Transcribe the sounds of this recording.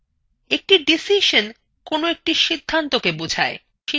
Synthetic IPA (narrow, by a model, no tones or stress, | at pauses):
ek̚ʈiɖisiʃon | konoek̚ʈiʃid̪ʱːant̪okebod͡ʑʱae | ʃi